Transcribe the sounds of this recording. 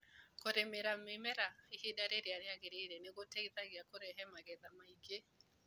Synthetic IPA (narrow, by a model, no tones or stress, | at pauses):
koɾemeɾamemɛɾaihedaɾeɾeaɾeaɣeɾeɾeneɣoteɣiðaɣeakoɾɛɦɛmaɣɛðamaiɡe